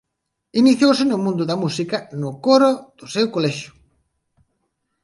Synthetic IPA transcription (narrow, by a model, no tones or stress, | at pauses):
iniθjowsɪnʊmũnd̪ʊðɐmusikɐnʊkoɾoð̥ʊsewkolɛʃʊ̥